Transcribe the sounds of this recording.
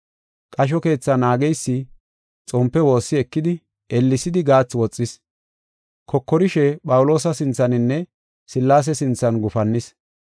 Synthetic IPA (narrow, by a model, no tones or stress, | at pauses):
kʼɐʃ̬ɔke̞ːt͡sːɐnaːɡɛjsːɪ | t͡sʼɔmpːɛwo̞ːsːɪɛkːɪd̪ɪ | ʔɛlːɪsɪd̪ɪɡaːt͡sːwɔt͡sʼːɪs | kʰɔkːɔɾɪʃɛpʼɐwʊlo̞ːs̬ɐsɪnt͡sːɐnɪnːɛ | sɪlːaːs̬ɛsɪnt͡sːɐnɡʊfɐnːɪs